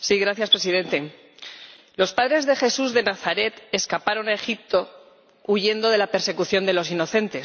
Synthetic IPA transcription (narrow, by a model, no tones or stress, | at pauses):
siɣɾaθjaspɾesiðe̞nt̪e̞ | lo̞spað̞ɾe̞zðe̞xe̞suzðe̞naθaɾe̞t̪e̞skapaɾo̞nae̞xip̚t̪o̞ | uʝe̞nd̪o̞ð̞e̞lape̞ɾse̞kuθjo̞nd̪e̞lo̞s̬ino̞θe̞nt̪e̞s